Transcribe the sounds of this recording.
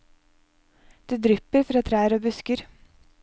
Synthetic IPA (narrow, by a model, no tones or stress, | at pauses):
d̪̥ʉːd̪ɾʏpːəɾfɾɑːt̪ʰɾæːɾoːbʉskəɾ